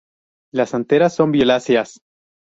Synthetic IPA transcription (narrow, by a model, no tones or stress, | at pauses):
lasant̪e̞ɾasːo̞mbjo̞lasjas